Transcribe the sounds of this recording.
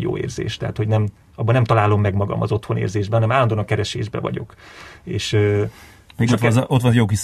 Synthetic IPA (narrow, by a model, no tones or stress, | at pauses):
jo̰ːḛːrzḛːʃt̪ɛɦat̪ho̞ɟnɛm | ɒbːɒnɛmt̪ɒlaːlo̞mːɛɡmɒɡɒ̰mʔɒ̰zo̞t̪honḛːrzeːʒbɛɒnɛmaːlːɒnd̪onɒkɛɾɛʃeːʒbɛ̰vɒ̰ɟo̞̰keːʃøː | meɡot̪ot̪ʋɒnjoːkis